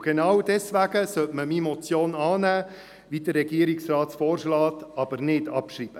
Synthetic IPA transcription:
ɡ̥enɑwdɛsʋæɡəsœtməmimɔt͡sjoːnɑːnæː | ʋidərːɛɡiəɾiksrɑːtfɔːɾʃlɑːt̪ɑb̥əɾnɪdɑpʃriːb̥ə

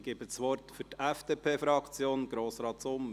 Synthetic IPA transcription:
ɡ̥eːbəsʋɔɾt̪fyɾtɛfd̥eːpʰeːfɾɑkt͡sjoːnɡ̥ɾoːsɾɑːtsʊm

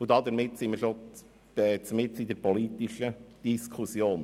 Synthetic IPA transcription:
ʊd̪ɑd̪əɾmɪt̪sɪməɾʃo̥ | ɛt͡smɪt͡sid̪əɾpɔlit̪iʃəd̥iskʰχusjoːn

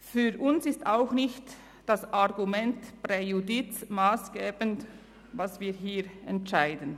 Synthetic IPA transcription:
fyːʁʔʊnsɪstaʊxnɪçt | d̥asʔaʁɡumɛntpʁejudɪt͡smaːsɡ̥eːbənt | vasv̥iːɦiːʁɛntʃaɪdən̩

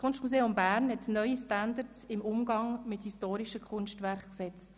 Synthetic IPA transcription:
kʰʊnʃtmuseːʊmbæːɾnhɛtnœʏistændəɾtsɪmʊmɡɑŋmɪthistoːɾiʃəkʰʊnʃtʋæɾχksɛt͡s

